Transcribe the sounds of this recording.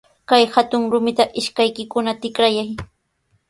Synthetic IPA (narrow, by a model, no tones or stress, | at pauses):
kajhat̪ʊŋɾʊmɪt̪aʔɪʃkajkɪkʊnat̪ɪkɾajaj